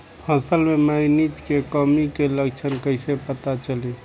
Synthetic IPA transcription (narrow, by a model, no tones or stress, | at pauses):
pʰəsəlmeməɪnit̪kekəmikeləkt͡ʃʰənkəɪsepət̪at͡ʃəli